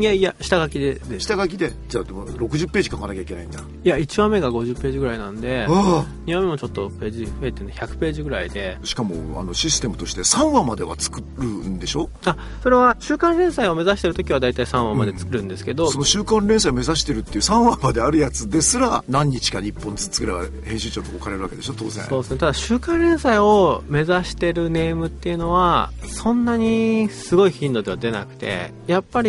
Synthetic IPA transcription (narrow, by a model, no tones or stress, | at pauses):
ẽjaɕi̥t̪aɡakʲid̪ed̪ɕi̥t̪aɡakʲid̪e̞d͡ʑaːd̪emoɾo̞kɯ̟ʑɨpːe̞ːʑikakanakʲaike̞na̰ĩnd̪a | ijait͡ɕiβame̞ɡaɡo̞ʑɨpːe̞ːʑiɡɯ̟ɾainãnd̪e̞a | ɲ̟iβãmːe̞mo̞t͡ɕo̞t̪ːope̞ːʑiet̪ːeineçʲakɯ̟̥pe̞ːʑiɡɯ̟ɾaid̪e̞ɕi̥kamo̞̰a̰no̞ɕisɨ̥t̪e̞mɯ̟t̪o̞ɕi̥t̪e̞sãɰ̃βamad̪e̞βa̰t͡sɨ̥kɯɾɯ̟nd̪e̞ɕo̞ː | a | so̞ɾe̞βaɕɨːkãnɾẽ̞ɰ̃saio̞me̞zaɕi̥t̪e̞ɾɯ̟t̪o̞kʲiβ̞ad̪ait̪aisãɰ̃βammad̪e̞t͡sɨ̥kɯ̟ɾɯ̟̃nd̪e̞sɨ̥ke̞d̪o̞sono̞ɕɨːkãnɾẽsaiome̞zaɕi̥t̪e̞ɾɯ̟t̪ːe̞iɯsãɰ̃βamad̪e̞aɾɯ̟jat͡sɨd̪e̞sɨɾanãɲ̟ːit͡ɕi̥kaɲipːõnt͡sɨ̥t͡sːɨ̥kɯ̟ɾeba̰ | hẽ̞ɕɨːt͡ɕãnt̪okokaɾe̞ɾɯβa̰ke̞d̪e̞ɕot̪o̞ːzḛ̃so̞ːd̪esɨnet̪ad̪aɕɨːkãnɾẽ̞ɰ̃saio̞me̞zaɕi̥t̪e̞ɾɯ̟ne̞ːmɯ̟t̪ːe̞jɯ̟no̞βasõ̞nːaɲ̟isɨɡo̞içĩnd̪o̞d̪e̞βad̪e̞na̰kɯ̟̥t̪e̞̰ | japːaɾʲi